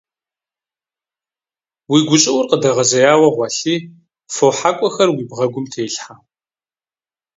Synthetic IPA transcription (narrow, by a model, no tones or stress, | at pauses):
wiːɡʷʊt͡ʃʼɪwʊrqədɐʁɐzɐjaːwɐʁʷɑɬiː | foħaːkʷʼɔxɐrwiːbʁɐɡʷʊmtʰeːjɬħaː